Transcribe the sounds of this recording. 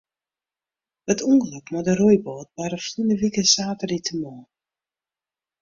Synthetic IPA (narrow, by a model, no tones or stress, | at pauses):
ətʰuŋkløkmɔdəɾujboːt̚baɾəflunəʋikəsaːtəritʰəmɔː